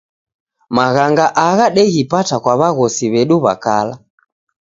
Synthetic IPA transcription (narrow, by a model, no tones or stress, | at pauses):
maɣaŋɡaʔaɣaɗɛɣipatakwaβaɣɔsiβɛɗuβa̰kala